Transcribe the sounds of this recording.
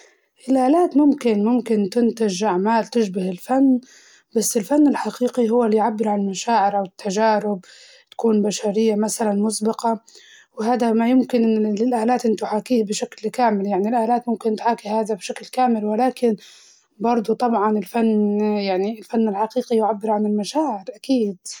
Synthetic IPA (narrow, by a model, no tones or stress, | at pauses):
ʔɪlʔaːlaːt̪mʊmkɪnmʊmkɪnt̪ɪnt̪ɪʒʔaʕmaːlt̪ɪʒbahɪlfanː | b̥asːɪlfanːɪlħaqiːqiɦʊwːalːijʕabːɪɾʕanlmaʃaːʕɪɾʔawɪt̪ːaʒaːɾɪb | t̪ḁkuːnbaʃaɾɪjːamasalanmʊsbɑqɑ | wɦaːd̪amajɪmkɪnlɪlʔaːlaːt̪ʔɪnt̪ʊħaːkiːhbʃaklkaːmɪljaʕnilʔaːlaːt̪mʊmkɪnt̪ħaːkihaːðabʃaklkaːmɪlwɪlaːkɪn | bɑɾˤd̪ˤut̪ˤɑbʕɑnɪlfanːjaʕniɪlfanːɪlħaqiːqijʕabːɪɾʕanɪlmaʃaːʕɪɾʔakiːd̪